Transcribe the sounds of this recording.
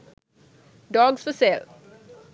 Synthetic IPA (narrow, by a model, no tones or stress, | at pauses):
ɖɔːɡsfəsel